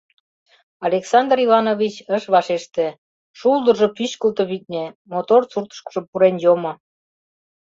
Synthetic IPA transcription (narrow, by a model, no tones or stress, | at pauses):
ɑlʲeksɑnd̪rivɑnovʲit͡ɕəʃβɑʃeʃt̪ĕ | ʃulˠd̪ə̆ʒopyɕkəlt̪əβit̪̚nʲemot̪ort͡surt̪ə̥ʃkə̥ʒopuɾenjomŏ